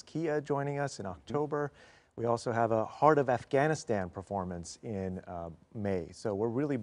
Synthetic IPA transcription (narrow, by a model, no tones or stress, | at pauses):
kʰiɨd͡ʒɔ̃ɪ̃nɪ̃ŋʌsɨ̃nɑk̚tʰoʊbə˞ | wiɔlˠsoʊəvəhɑɹɾʌvæfɡ̥æñɨstæ̃npʰə˞fɔɹmɨ̃nsɪ̃nmeɪsoʊwɪɹɹɪlˠi